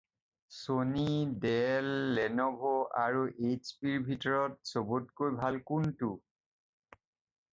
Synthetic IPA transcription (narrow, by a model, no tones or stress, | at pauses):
sonidɛlːɛnɔbʱɔaɹuʔet͡ʃpiɹbʱitɔɹɔt̚sobutkojbʱalkuntu